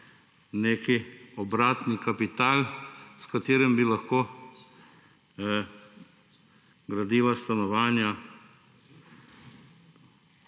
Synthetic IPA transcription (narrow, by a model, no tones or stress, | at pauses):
neːkiɔbɾaːt̪nikapit̪aːlskat̪eːɾɛmbilaxkoː | ɡɾad̪iːʋast̪anɔʋaːnja